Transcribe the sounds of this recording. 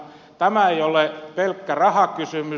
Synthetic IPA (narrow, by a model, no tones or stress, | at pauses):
t̪æmæeijolepelkːærɑhɑkysymy